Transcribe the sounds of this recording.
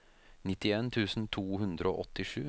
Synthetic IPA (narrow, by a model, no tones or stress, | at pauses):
nɪt̪ɪeːnt̪ʰʉːsn̩t̪ʰuːhʉnd̪ɾəo̰ːʔɔt̪ːɪʂʉː